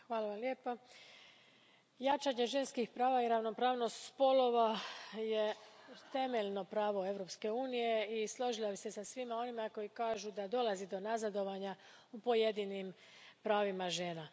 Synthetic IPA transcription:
xʋaːlaʋamlje̞ːpa | jat͡ʃaɲe̞ʒe̞nskixpɾaːʋaiɾaʋno̞pɾaːʋnost̪spo̞lo̞ʋaje̞t̪e̞me̞ʎno̞pɾaːʋo̞e̞ʋɾo̞pske̞uːnije̞islˠo̞ʒilˠabise̞sasʋimao̞nimako̞jikaːʒud̪ad̪o̞lazid̪o̞nazad̪o̞ʋaɲaupo̞jed̪inim | pɾaːʋimaʒe̞ːna

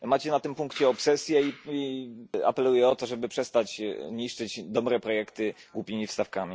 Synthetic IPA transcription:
mat͡ɕɛnat̪ɘmpuŋkt͡ɕɛɔpsɛsʲjɛiia̰pɛlujɛɔt̪ɔʐɛbɘpʂɛst̪at͡ɕɲiʂt͡ʂɘd͡ʑd̪ɔbɾɛpɾɔjɛkt̪ɘɡwupʲimʲifst̪afkamʲi

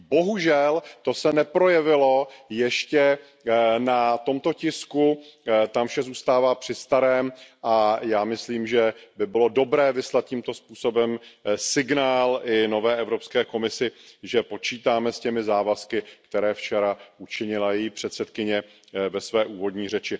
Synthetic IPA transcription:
bo̞ɦuʒɛlt̪o̞sɛnɛpɾo̞jɛvɪlo̞jɛʃcɛ | nat̪o̞mt̪o̞cɪskut̪amfʃɛzuːst̪aːvaːpr̝̥ɪst̪aɾɛːmʔajaːmɪsliːmʒɛbɪbɪlo̞do̞bɾɛːvɪslat̪̚cimt̪o̞spuːso̞bɛmsɪɡnaːlʔɪno̞vɛːʔɛvɾo̞pskɛːko̞mɪsɪʒɛpo̞t͡ʃiːt̪aːmɛscɛmɪzaːvaskɪkt̪ɛɾɛːft͡ʃɛɾaʔut͡ʃɪɲɪlajɛjiːpr̝̥ɛt̪sɛt̪kɪɲɛ | vɛsvɛːʔuːvo̞d̪ɲiːrɛt͡ʃɪ

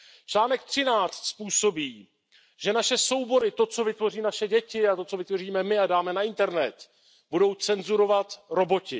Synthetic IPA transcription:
t͡ʃlaːnɛk̚t̪r̝̥ɪnaːt͡st̪spuːso̞biː | ʒ̥ɛnaʃɛso̞wbo̞ɾɪt̪o̞t͡so̞vɪt̪vo̞riːnaʃɛɟɛcɪat̪o̞t͡so̞vɪt̪vo̞r̝iːmɛmɪadaːmɛnaɪnt̪ɛɾnɛt̪ | budo̞wt͡sɛnzuɾo̞vat̪ɾo̞bo̞cɪ

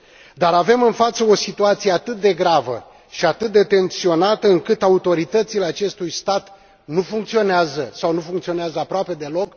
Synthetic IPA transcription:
d̪aɾave̞mɨnfat̪səo̞sit̪uat̪sijeat̪ɨt̪̚d̪e̞ɡɾavə̰ | ʃiat̪ɨt̪̚d̪e̞t̪e̞nsio̞nat̪əɨŋkɨt̪aut̪o̞ɾit̪ət̪sile̞at͡ʃe̞st̪ujst̪at̪ | nufuŋk̚t̪sio̞neazəsawnufuŋkt̪sio̞neazəapɾoape̞d̪e̞lo̞k

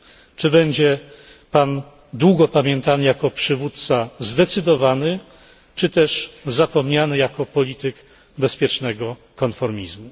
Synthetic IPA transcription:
t͡ʂɘbɛɲd͡ʑɛ | pan | d̪wuɡɔpamʲjɛnt̪anɘjakɔpʂɘvut̪̚t̪sazd̪ɛt̪sɘd̪ɔvanɘ | t͡ʂɘt̪ɛʂzapɔmɲanɘjakɔpɔlʲit̪ɘk | bɛspʲjɛt͡ʂnɛɡɔ | kɔnfɔɾmʲizmu

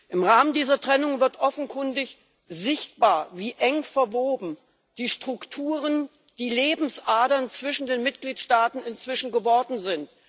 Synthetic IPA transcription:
ʔɪmʁaːməndiːzɐtʁ̥ɛnʊŋvɪɐtʔɔfn̩kʰʊndɪç | zɪçtb̥aːɐviːʔɛŋfɛɐvoːbm̩ | d̥iːʃtʁ̥ʊktʰuːʁ̞ən | d̥iːleːbm̩sʔaːdɐnt͡sv̥ɪʃn̩deːnmɪt̚ɡ̥liːtʃtaːtn̩ɪnt͡sv̥ɪʃn̩ɡəvɔɐdn̩zɪnt

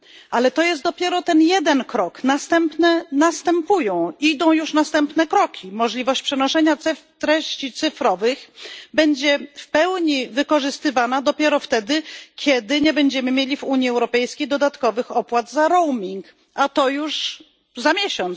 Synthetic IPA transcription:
ʔalɛt̪ɔjɛst̪̚d̪ɔpʲjɛɾɔt̪ɛnjɛd̪ɛnkɾɔknast̪ɛmpnɛnast̪ɛmpujɔ̃w̃id̪ɔ̃w̃juʂnast̪ɛmpnɛkɾɔkʲʰimɔʐlʲivɔɕt͡ɕpʂɛnɔʂɛɲaɛt̪ɾɛɕt͡ɕit̪sɘfɾɔvɘxbɛɲd͡ʑɛfpɛwɲivɘkɔʐɘst̪ɘvanad̪ɔpʲjɛɾɔft̪ɛd̪ɘkʲʰjɛd̪ɘɲɛbɛɲd͡ʑɛmɘmʲjelʲivuɲjiɛwɾɔpɛjskʲejd̪ɔd̪at̪kɔvɘxɔpwad̪zaɾɔwmʲiŋk | at̪ɔjuʂ | zamʲjɛɕɔnt̪

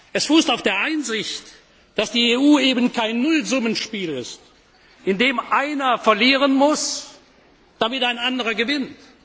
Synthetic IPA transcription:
ʔɛsfuːstaʊfd̥eːɐʔaɪnzɪçt | d̥asd̥iːeːuːeːbən̩kʰaɪnːʊlzʊmənʃpiːlɪ̰st | ʔɪndeːmʔaɪnɐfɛɐliːʁ̞ənmʊs | d̥amɪtaɪnandəʁɐɡəvɪnt

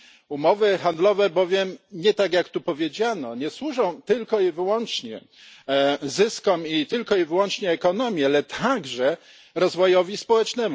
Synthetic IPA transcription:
umɔvɘxand̪lɔvɛbɔvʲjɛmɲɛt̪aɡjakt̪upɔvʲjed͡ʑanɔɲɛswuʐɔ̃w̃t̪ɘlkɔivɘwɔnt͡ʂɲɛ̰ | zɘskɔmit̪ɘlkɔivɘwɔnt͡ʂɲɛːkɔn̪ɔmʲjɛalɛt̪ʰaɡʐɛ | ɾɔzvɔjɔvʲispɔwɛt͡ʂnɛmu

